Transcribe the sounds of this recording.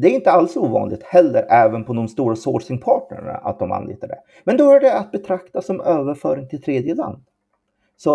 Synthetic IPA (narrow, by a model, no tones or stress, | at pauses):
d̪ɛæɾɪnt̪əalsuːvɑ̰ːnlɪɡ̚t̪hɛlːəɾɛːvənpʰɔd̪ɔmst̪uːɾasoːʂɪŋpʰɑːʈɳə̰ɾɳa̰ʔa̰t̪̚d̪ɔma̰nlḭːt̪aɖɛ̰ | mɛnd̪ɔhœɖɛat̪̚bɛt̪ʰɾakt̪asɔmøːvəɾfœːɾɪŋt̪ʰɪlt̪ʰɾeːd̪jəla̰nd̪ | sɔ